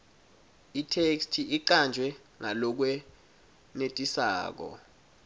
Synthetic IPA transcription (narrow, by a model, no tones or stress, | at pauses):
itʰekstʰiʔiǃand͡ʒʱwɛ | ŋalɔk̬wɛ | netʼisa̰ːk̬ɔ̰